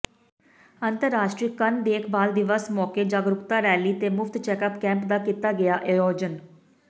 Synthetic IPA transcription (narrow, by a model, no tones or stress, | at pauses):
ənt̪əɾːaːʃʈɾiːkənd̪eːkʰbaːld̪ɪʋəsmɔːkeːd͡ʒaːɡɾʊkt̪aːɾɛːliːt̪eːmʊpʰt̪t͡ʃɛːkəpkɛ̃ːmpd̪aːkiːt̪aːɡɪjaːʔɪɾoːd͡ʒən